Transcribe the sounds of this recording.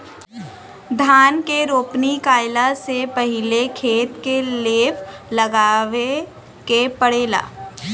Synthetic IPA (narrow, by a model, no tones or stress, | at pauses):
d̪ʱaːnkeɾoːpnikaːɪlasepɐɦɪlekʰeːt̪keleːpʰlɐɡaːʋe | kepɐɽeːla̰ː